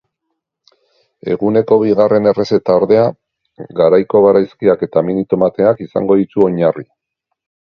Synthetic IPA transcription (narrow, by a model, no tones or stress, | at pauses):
e̞ɣune̞ko̞βiɣare̞ne̞re̞se̞t̪aoɾðe̞a | ɣaɾajko̞β̞aɾajskiake̞t̪aminit̪o̞mat̪e̞akisa̰ŋɡo̞ðit͡s̪uo̞ɲari